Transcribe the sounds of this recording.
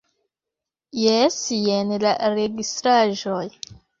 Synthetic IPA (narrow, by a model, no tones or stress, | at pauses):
jesjenlaɾeɡistɾaʒoj